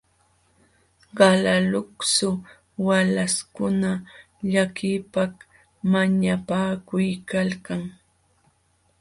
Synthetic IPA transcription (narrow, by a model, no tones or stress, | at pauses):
ɢɑlalʊksʊ | walaskʊna | ʎakɪpak | maɲapaːkʊjkalkaŋ